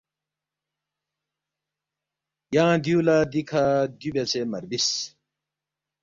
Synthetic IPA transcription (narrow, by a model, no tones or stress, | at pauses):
jãːd̪julad̪ikʰad̪ubet͡sʰemɐɾbis